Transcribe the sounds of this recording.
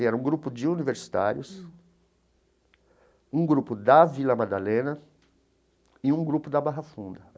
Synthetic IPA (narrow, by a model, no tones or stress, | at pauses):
ɛɾɐũɡɾupʊd͡ʒɪuniveɾsi̥t̪a̰ɾjʊs | ũɡɾupʊd̪ɐvilɐmad̪alẽnɐ | ɪũɡɾupʊd̪ɐbaɦɐfũnd̪ɐ